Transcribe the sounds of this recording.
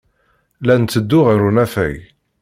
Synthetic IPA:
lænt̪ːəd̪ːʊʁəɾunæfæ̰j

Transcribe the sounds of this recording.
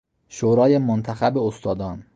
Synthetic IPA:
ʃoːɾɒːjemont̪ʰæxæbeost̪ʰɒːd̪ɒːn

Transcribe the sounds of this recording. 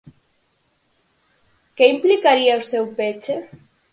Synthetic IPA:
keimplikaɾiawsewpet͡ʃe

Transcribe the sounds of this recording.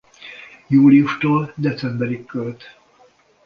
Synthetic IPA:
juːliuʃt̪oːld̪ɛt̪sɛmbɛɾikːølt̪

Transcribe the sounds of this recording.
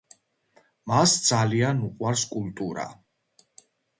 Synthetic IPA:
masd̪z̥alianuqʼwaɾskʼult̪ʼuɾa̰

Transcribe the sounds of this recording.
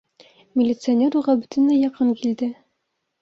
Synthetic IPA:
mʲɪlʲɪt̪sɨonʲeɾuʁɑbɵt̪ɘ̆nːæjɑqɤnkild̪ɘ

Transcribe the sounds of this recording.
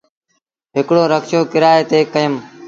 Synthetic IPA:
ɦɪkɽoːɾəkʃoːkɪɾaːeːt̪eːkəjəm

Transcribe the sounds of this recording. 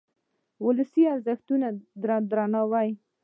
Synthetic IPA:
wʊləsiaɾzɪxt̪unad̪ɾd̪ɾanɑwaj

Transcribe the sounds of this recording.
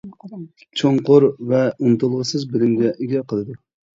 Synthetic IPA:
t͡ʃʰoɴqʊɾvɛunt̪ulˠʁəsɨzbɪlɪmɡʲɛʔeɡʲɛqʰəlˠɨd̪ɨ

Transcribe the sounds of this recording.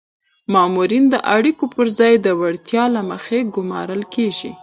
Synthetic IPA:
mɑmuɾind̪əʔaɽikopəɾzɑjd̪əwaɽt̪jɑlaməxeɡʊmɑ̰ɾəlkeʒḭ

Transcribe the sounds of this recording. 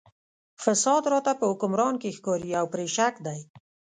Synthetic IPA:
fasɑd̪ɾɔt̪apəʊkʊmɾɑnkexkɔɾiawpɾeʃakd̪aj

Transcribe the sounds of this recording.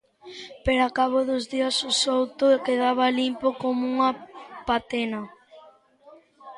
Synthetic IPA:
peɾakaβ̞oðʊzðiɐsosowt̪ʊkeðaβɐlimpokomuŋɐpat̪enɐ

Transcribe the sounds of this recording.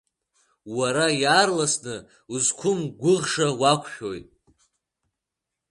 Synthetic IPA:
waɾajaːrlasnɨ | uzkʷʰʊmɡʷʊʁʂawakʷʰʃʲᶣojtʼ

